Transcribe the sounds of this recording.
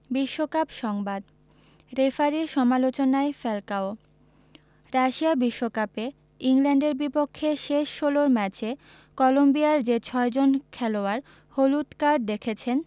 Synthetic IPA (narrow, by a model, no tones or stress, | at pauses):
biʃːokapʃɔŋbad̪ | ɾefaɾiʃɔmalot͡ɕonaefelkao | ɾaʃiabiʃːokape | iŋlɛɳɖeɾbipokʰːeʃeʃːoloɾmɛt͡ɕe | kɔlombiaɾd͡ʑet͡ɕʰɔed͡ʑonkʰɛloaɾ | holut̪kaɾɖ̚d̪ekʰet͡ɕʰen